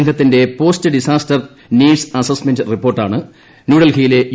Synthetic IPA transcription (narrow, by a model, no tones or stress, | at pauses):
ŋɡɐt̪ːinde̞po̞ːstɨɖisaːstɐr | niːɖsɐsɐsmendɨripːoːrʈːa̰ːɳɨ | nuːɽɐlkijile̞j